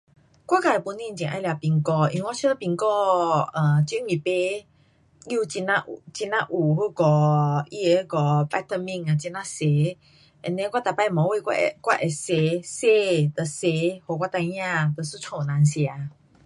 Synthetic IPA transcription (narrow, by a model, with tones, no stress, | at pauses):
kwa˦ka˨e˨˩pu˧nĩ˦˧˨t͡ɕĩ˨ʔa̰˧˦˧lja˧pi˧ŋkɔ˧ĩ˧ŋwa˦t͡ɕʰə˦t̪ə˦˧pi˧ŋkɔ˧ə̃˨˩t͡ɕi˦mĩ˨pe˦ | u˦˧t͡ɕi˧nã˧ʔt͡ɕi˧nã˦˧ʔu˨˩hu˦˧˦kɔ˨˧i˧e˨hkɔ˧˩pa˧t̪ə˧mĩ˧˨ŋa˨t͡ɕi˧nã˦se˨˦ | ɛ˧˨nẽ˦kwa˦˨t̪a˨pa˧˨mɔ̃˨˦we˧˨ka̰˧˨kwa̰˦˧ʔe˨se˧˦se˧˦t̪ə˨se˧˦ho˨k̬wa˦t̪ã˧˦ã˧˨t̪ə˨su˦t͡sʰõ˨nã˨˧nsja˨˧˦